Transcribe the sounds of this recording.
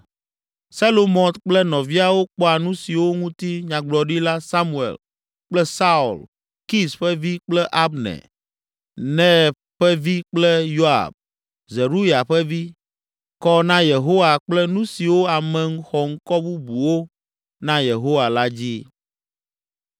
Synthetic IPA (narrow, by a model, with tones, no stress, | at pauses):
sa˦lo˦mɔ̃˨t̪k͡plɛ˦nɔ̃˨vi˦a˨wo˦k͡pɔ˦a˨nũ˦si˨wo˦ŋũ˦t̪i˦ɲã˨ɡ͡blɔ˨ɖi˦la˦sa˦mu˦ḛ˨l | k͡plɛ˦sa˦ṵ˨l | ki˦sɸɛ˦vi˦k͡plɛ˦ʔa˦bnɛ̰̃˨ | nɛ̃˦˨ | ɸɛ˦vi˦k͡plɛ˦jo˦a̰˨b̚ | ze˨ɾu˦ja˨ɸɛ˦vi˦ | kɔ˦nã˦je˨ɦo˦wa˨k͡plɛ˦nũ˦si˨wo˦a˨mɛ̃˨ŋ̩˦xɔ˨ŋ̩˦kɔ˦bu˦bu˨wo˦ | nã˦je˨ɦo˦wa˨la˦d͡ʑi˦